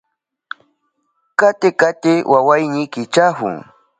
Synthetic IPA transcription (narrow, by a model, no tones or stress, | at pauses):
kat̪ɪkat̪ɪwʔawajnɪkɪt͡ʃahʊ̰ŋ